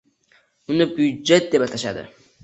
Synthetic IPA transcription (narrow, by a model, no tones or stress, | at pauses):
ʊnɨbʊd͡ʒet̪̚d̪epat̪ʰaʃa̰d̪ɪ̰